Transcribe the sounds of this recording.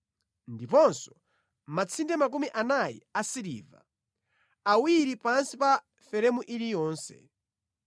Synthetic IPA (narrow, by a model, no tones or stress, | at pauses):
ndipɔnsɔ̥ | mat͡sʰindɛmak̬umiʔanajḭasiɾḭːva̰ | awiɾipansipa | fɛɾɛmuʔilijɔːnsɛ̰